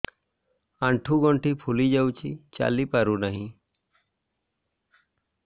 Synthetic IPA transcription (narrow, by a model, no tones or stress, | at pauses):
aɳʈʰuɡɔɳʈipʰulid͡ʒawt͡ʃʰit͡ʃa̰lipaɾunaɦĩ